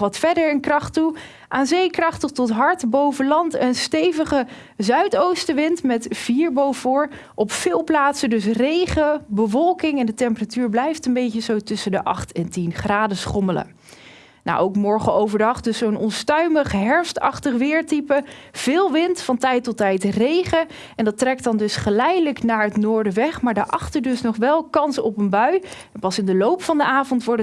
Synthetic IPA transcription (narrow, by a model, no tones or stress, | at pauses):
ʋɑtfɛɹdəɹənkrɑχtu | ʔaːnzejkrɑχtəχtɔtɦɑɹtbowvəlɑntənstejvəχə | zœɥtowstəʋɪntmɛtv̥iːɹbowvʊːɹ | ʔɔpfɪːlˠplaːtsədɵs̬rejχəbəʋɔlˠkɪŋɛndətɛmpəratyːɹblɛjftəmbejcəzowtʏsəndəʔɑ̰χtɛntinχraːdəsχɔmələ̰ | na̰ʔowkmɔɹχəowvəɹdɑχdɵssownɔnstœɥməχɦɛɹfstɑ̰χtəχʋɪːɹtipəv̥ɪːlˠʋɪntfɑntɛjtɔtɛjtrejχə | ɛndɑtrɛk̚tɑndɵsχəlɛjdələknaːɹɦətnʊːɹdəʋɛχmaːɹdəʔɑχtəɹdɵsnɔχʋɛlˠkɑnsɔpənbœɥɛnpɑsɪndəlowpfɑndəʔaːvɔntʋɔɹt